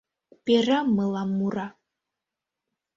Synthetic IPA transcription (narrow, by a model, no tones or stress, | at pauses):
peramɨlˠamːuɾa